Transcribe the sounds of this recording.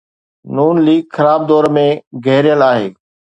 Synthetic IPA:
nuːnliːɡxəɾaːb̚d̪ɔːɾmẽɡʱɛɦɾɪjəlaːɦeː

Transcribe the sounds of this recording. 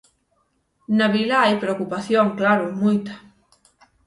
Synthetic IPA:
naβilaajpɾeokupaθjoŋklaɾomujt̪ḁ

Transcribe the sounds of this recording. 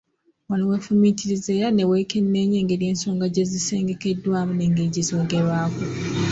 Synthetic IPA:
walowefumitʰiɾize̞ːɾane̞we̞ːkenːe̞ɲe̞ːŋɡe̞ːɾje̞ːnso̞ːŋɡaɟe̞zise̞ːŋɡe̞kedːwaːmune̞ŋɡeːɟizo̞ːɡeɾwaːku

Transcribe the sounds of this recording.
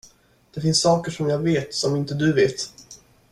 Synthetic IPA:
d̪̥ɛfɪnsːɑːkəʂɔmjɑːɡveːt̪sɔmɪnt̪əd̪ɵveːt̪

